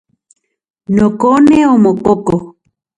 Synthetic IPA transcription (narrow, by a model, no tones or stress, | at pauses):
nokoneomokoko